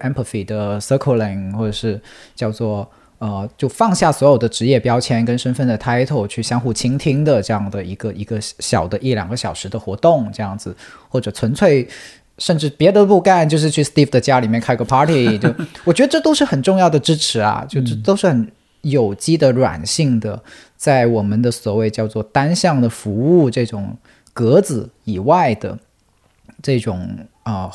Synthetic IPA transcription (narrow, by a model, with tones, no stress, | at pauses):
ɛ˥mpʰə˧˩fi˨˩d̪ə˩sə˥kʰo˥˧lɛ˨˩ŋxwɔ˥˩ʈ͡ʂɤ˨˩ʂɻ̩˥˧t͡ɕjɑ˥˧ʊt͡swɔ˥˩ | ə˧t͡ɕjo˥˧ʊfɑ˥˧ŋɕja˥˩swɔ˧˥jo˨˩ʊd̪ə˦ʈ͡ʂɻ̩˧˥jɛ˥˩pjɑ˥ʊt͡ɕʰjɛ˧˥nkə˥nʂə˥nfə˥˩nd̪ə˩t̪ʰa˥ɪt̪ʰo˧˥˩ʊt͡ɕʰy˥˩ɕjɑ˥ŋxu˥˩t͡ɕʰi˥ŋt̪ʰi˥ŋd̪ə˨ʈ͡ʂɤ˥˧jɑ˥˩ŋd̪ə˩i˧˥ɡ̥ə˧i˧˥ɡə˧ɕjɑ̰˨˩ʊd̪ə˦ʔi˥˩ljɑ̰˨˩ŋɡə˦ɕjɑ˨˩ʊʂɻ̩˧˥d̪ə˧xwɔ˧˥t̪ʊ˥˩ŋʈ͡ʂɤ˥˧jɑ˥˩ŋd͡zɹ̩˨˩xwɔ˥˩ʈ͡ʂɤ˨˩t͡sʰwə˧˥nt͡sʰwe˥˧ɪ | ʂə˥˧nʈ͡ʂɻ̩˥˩pjɛ˧˥d̪ə˧pu˥˧ka˥˧nt͡ɕjo˥˧ʊʂɻ̩˥˧t͡ɕʰy˥˩st̪i˥˩fd̪ə˩t͡ɕja˥li˨˩mjɛ˥˧nkʰa˥˩˧ɡə˧pʰɑ˥t̪ʰi˨˩t͡ɕo˥˩wɔ˨˩t͡ɕɥɛ˧˥d̪ə˧ʈ͡ʂɤ˥˧t̪o˥ʊʂɻ̩˥˩xə˨˩nʈ͡ʂʊ˥˧ŋjɑ˥˩ʊd̪ə˩ʈ͡ʂɻ̩˥ʈ͡ʂʰɻ̩˧˥ɐ̰˧t͡ɕjo˥˧ʊ˥t̪o˥ʊʂɻ̩˥˩xə˧˥n | jo˨˩ʊt͡ɕi˥d̪ə˨ɻwa̰˨˩nɕi˥˩ŋd̪ə̰˩ | t͡sa˥˩ɪwɔ˨˩mə˦nd̪ə˧swɔ˨˩we˥˧ɪt͡ɕjɑ˥˧ʊt͡swɔ˥˩t̪a˥nɕjɑ˥˩ŋd̪ə˩fu˧˥u˥˧ʈ͡ʂɤ˥˩ʈ͡ʂʊ˨˩ŋ | kɤ˧˥d͡zɹ̩˨˩i˨˩wa˥˩ɪd̪ə̰˩ | ʈ͡ʂɤ˥˩ʈ͡ʂʊ˨˩ŋ | ə˧